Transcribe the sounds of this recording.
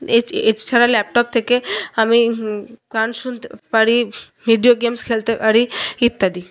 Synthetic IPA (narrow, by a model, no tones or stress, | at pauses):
eet͡ʃt͡ʃʰaɾalɛp̚ʈɔp̚t̪ʰekeamikanʃunt̪paɽi | miɖijoɡemskʰelt̪epaɽiit̪ːad̪i